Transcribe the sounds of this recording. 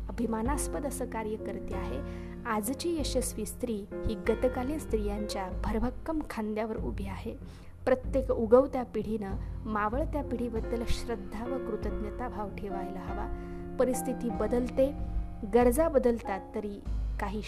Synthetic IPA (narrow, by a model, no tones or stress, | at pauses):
əbʱimanaspəd̪əsəːkaɾjəkəɾt̪eaɦe | ad͡zt͡ɕiːjəɕəsʋist̪ɾiːhiːɡət̪əkalenst̪ɾijaɲt͡ɕjabʱəɾʋəkːəmkʰãnd̪jaʋəɾṵbʱiaɦe | pɾət̪jekuɡəʋt̪japiɽ̤inəmaʋəɭt̪japiɽ̤ibəd̪ːəlɕɾəd̪ʱːaʋəkɾut̪əd̪njət̪abʱaʋʈʰeʋajləɦəʋa̰ | pəɾist̪ʰit̪iːbəd̪əlt̪e | ɡəɾd͡zabəd̪əlt̪at̪ːəɾiːkaɦiː